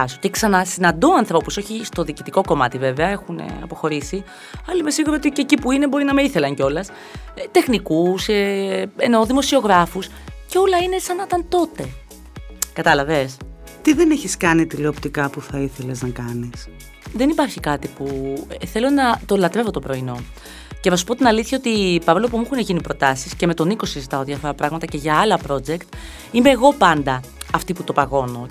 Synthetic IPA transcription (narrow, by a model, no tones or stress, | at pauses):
soc̪iksɐnɐsinɐnd̪oɐnθɾo̞puso̞çist̪o̞ðiːcit̪iko̞ko̞mɐt̪ive̞ve̞ɐe̞xunḛɐ̰po̞xo̞ɾisi | ɐlɐime̞siɣuɾoot̪icecipuine̞bo̞ɾinɐmeiθe̞lɐɲceo̞lɐs | t̪e̞xnikuseeno̞ðimo̞sio̞ɣɾɐfus | ceo̞lɐinesɐnɐt̪ɐnt̪o̞t̪e̞ | kɐt̪ɐlɐve̞s | t̪iðeneçiskɐnit̪ileopt̪ikɐpuθɐiθe̞leznɐkɐnis | ðe̞nipɐɾçikɐt̪ipueθe̞lo̞nɐt̪o̞lɐt̪ɾe̞vot̪o̞pɾo̞ino̞ | ceθɐsu̥po̞t̪inɐliθçɐo̞t̪ipɐvlo̞p̬umuxuneʝinipɾo̞t̪ɐsisceme̞t̪o̞niko̞sizit̪ɐoðiɐfo̞ɾɐpɾɐɣmɐt̪ɐce̞ʝɐɐlɐpɾo̞d͡ʒe̞kt̪ | ime̞ːɣo̞pɐnd̪ɐː | ft̪iput̪o̞pɐɣo̞no̞̰